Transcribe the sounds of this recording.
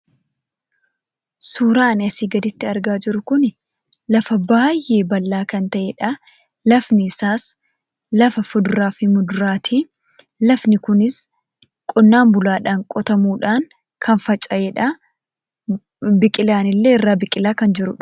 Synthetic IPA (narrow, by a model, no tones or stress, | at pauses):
suːɾaːnɐsiːɡɐd̪ɪt̪ːɪɐɾɡaːd͡ʒɪɾʊkʊnɪ | lɐfɐbaːjːe̞ːbɐlːaːkɐnt̪ɐʔeːᶑɐ | lɐfnɪɪsaːs | lɐfɐfʊd̪ʊɾaːfɪmʊd̪ʊɾaːt̪ʰiː | lɐfnɪkʊnɪs | kʼɔnːaːmbʊlaːᶑaːŋkʼɔt̪ɐmuːᶑaːŋ | kʰɐnfɐt͡ʃʼɐeːᶑɐ | bɪkʼɪlaːnɪlːe̞ːɪrːaːbɪkʼɪlaːkɐnd͡ʒɪɾʊᶑ